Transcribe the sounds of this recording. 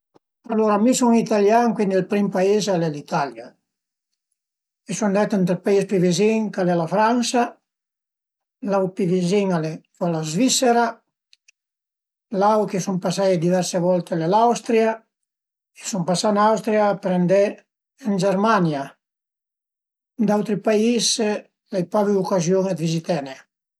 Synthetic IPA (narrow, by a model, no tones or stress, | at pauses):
aloɾamisuŋit̪aljaŋkwind̪elpɾimpaizalɛlit̪alja | esund̪ɛt̪ɛnt̪ɾepaispiviziŋkalɛlafɾansa | lawpiviziŋalɛkɔlazviseɾa | lawkesumpasajd̪ivɛɾseβɔlt̪elelawst̪ɾja | esumpasanawst̪ɾjaːpɾend̪eː | nd͡ʒeɾmanja | d̪awt̪ɾipais | lejpɔviukazjoŋed̪vizit̪ɛne